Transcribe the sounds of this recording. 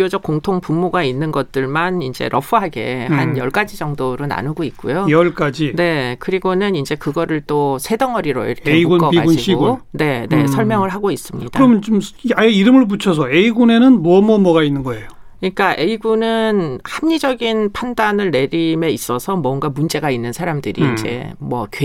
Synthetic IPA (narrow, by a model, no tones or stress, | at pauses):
jod͡ʑʌk̚k͈oŋtʰoŋpumːoɡainːɯnɡʌt̚t͈ɯɭmanind͡ʑe̞̰ɾʔʌpʰɯɦaɡe̞̰hanjʌɭk͈ad͡ʑid͡ʑʌŋdoɾɯna̰nɯɡoik̚k͈ujojʌɭk͈ad͡ʑine̞kɯɾiɡonɯnind͡ʑe̞kɯɡʌɾɯɭt͈osʰe̞dʌŋʌɾiɾo̰ḭɾʌkʰeiɡunkʌɡiaɡuniɕʰioɡune̞ne̞̰sʰʌɭmjʌŋɯɭɦaɡois͈ɯmɲid̥aɾʌmjʌnt͡ɕomaeiɾɯmɯɭp̬ut͡ɕʰʌs̬ʰʌeiɡune̞nɯnmʌmʌmʌɡainːɯnɡʌejo | ɲik͈aʔe̞iɡunɯnhamɲid͡ʑʌɡinpʰandanɯɭne̞ɾime̞is͈ʌsʰʌmwʌŋɡamund͡ʑe̞ɡainːɯnsʰaɾamdɯɾḭːnd͡ʑe̞̰mwʌ̰k